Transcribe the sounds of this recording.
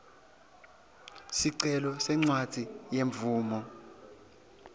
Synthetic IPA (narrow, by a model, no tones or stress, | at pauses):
siǀɛlɔsɛŋ͡ǀwad̥ʱijeɱb̪vuːmɔ